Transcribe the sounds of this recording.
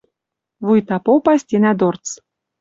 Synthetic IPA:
βujt̪ɑpopɑsʲt̪ʲenæd̪ort͡s

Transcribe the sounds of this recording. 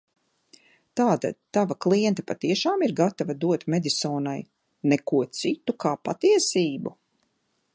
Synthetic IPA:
t̪aːd̪a̰t̪ːavaklˠiɛnt̪ḁpat̪iɛʃaːmiɾɡat̪avad̪uɔt̪mɛd̪ʲisɔːnaj | nɛkuɔt̪sit̪ukaːpat̪iɛsiːbu

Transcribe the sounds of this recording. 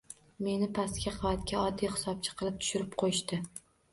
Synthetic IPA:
me̞nɪpʰast̪kʲaqʰɨvat̪̚kʲaɒd̪ːijχɪ̥sɒp̚t͡ʃʰɪ̥qʰɨlˠɪp̚t̪ʰʊ̥ʃʊɾɪp̚qʰojɪʃt̪ɪ

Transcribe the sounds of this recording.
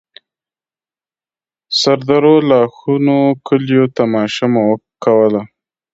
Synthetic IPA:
saɾd̪aɾolɑxunokəljot̪amɑʃamawəkawəla

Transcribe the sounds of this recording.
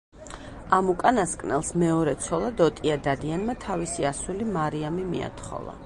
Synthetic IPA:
amukʼanaskʼnɛlˠsmɛɔɾɛt̪sʰɔlˠad̪ɔt̪ʼiad̪ad̪ianmat̪ʰavisiasulimaɾiamimḭa̰t̪ʰχɔ̰lˠa̰

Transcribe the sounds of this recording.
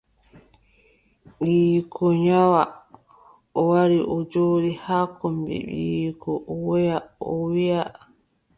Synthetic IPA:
ɓiːkʰɔɲawa | ɔwaɾiʔɔd͡ʒoːɾihaːkɔmbḭɓḭːkʰɔwɔjaɔwija

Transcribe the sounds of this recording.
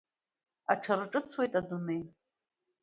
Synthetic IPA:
a̰ʈ͡ʂʰaɾɨʈ͡ʂʼɨt͡sʰwe̞jtʼadunej

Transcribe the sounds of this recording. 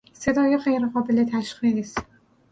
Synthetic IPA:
sed̪ɒːjeχejɾeɢɒːbelet̪ʰæʃχis

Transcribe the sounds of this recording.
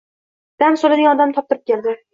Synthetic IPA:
d̪̥ansolɪnɪŋɒd̪amt̪ʰɒp̚t̪ɪɾɪp̚kʲʰeld̪ɪ

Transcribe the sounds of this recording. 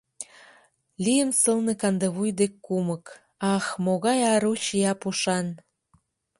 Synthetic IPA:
lijənsəlnĕkɑnd̪eβujd̪ekːumək | ɑxmoɣɑjɑɾut͡ɕijɑpuʃɑn

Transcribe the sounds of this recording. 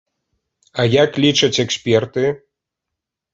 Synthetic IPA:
ajaklʲit͡ʂɐt͡sʲɛksʲpʲɛrt̪ɨ

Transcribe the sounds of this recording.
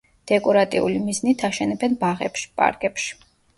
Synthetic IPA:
d̪̥ɛkʼɔɾat̪ʼḭṵlimiznit̪ʰaʃɛnɛbɛnbaʁɛpʃpʼa̰ɾɡɛpʃi̥

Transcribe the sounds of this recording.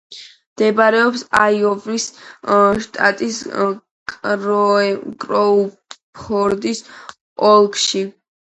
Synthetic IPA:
md̪̥ɛbaɾɛɔpsa̰iɔvɾis | ʃt̪ʼat̪ʼis | kʼɾkʼɾɔ | pʰɔɾd̪is | ɔlˠkʰʼʃi

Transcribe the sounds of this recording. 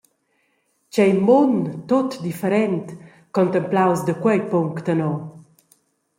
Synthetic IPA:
t͡ɕɛjmont̪ot̪d̪ifeɾɛnt̪ | kɔnt̪əmplawsd̪əkwɛjpuŋkt̪anɔ

